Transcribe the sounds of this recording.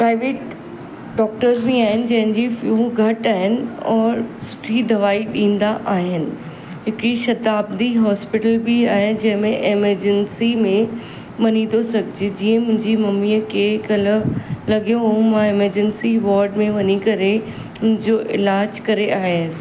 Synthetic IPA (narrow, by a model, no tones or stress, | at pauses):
pɾaːɪʋeːʈ | ɖɔːk̚ʈəɾzbẽaːɦɪnɪ̆d͡ʑɐ̃ɦɪ̃ɲd͡ʑifjuːɡʱɐʈaːɦɪnɪ̆ɔːɾsʊ̥ʈʰid̪ʱɐʋaːiɗĩːnd̪aʔaːɦɪnɪ̆ | ɦɪkɽiʃɐd̪aːbd̪iɦɔːspɪʈəlbiaːɦed͡ʑɐ̃ɦɪ̃mẽʔeməɾd͡ʑənsimẽ | mɐnĩd̪osɐɡʱɪd͡ʑed͡ʑiːə̃mʊ̃ɦɪ̃ɲd͡ʑimɐmiːəkʰekɐlə̆lɐɡjõɦumãeməɾd͡ʑənsiʋɔːɾɖmẽʋɐɲikɐɾe | mʊ̃ɦɪ̃ɲd͡ʑoʔɪ̰laːd͡ʑkɐɾeʔaːɦe